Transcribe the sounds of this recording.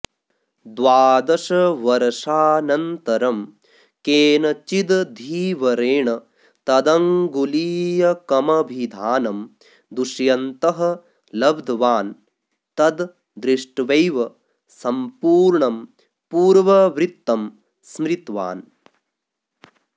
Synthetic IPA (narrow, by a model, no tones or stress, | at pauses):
d̪ʋaːd̪ɐʂɐʋɐɾɐʂaːnɐnt̪ɐɾɐm | keːnɐt͡ʃid̪d̪ʱiːʋɐɾeːɳɐ | t̪ɐd̪ɐŋɡuliːjɐkɐmɐbʱid̪ʱaːnɐm | d̪uʂjɐnt̪ɐɦɐ̆ | lɐbd̪ʱʋaːn | t̪ɐd̪ | d̪ɾiʂʈʋɐjʋɐ | sɐmpuːɾɳɐm | puːɾʋɐʋɾit̪ːɐm | smɾit̪ʋa̰ːn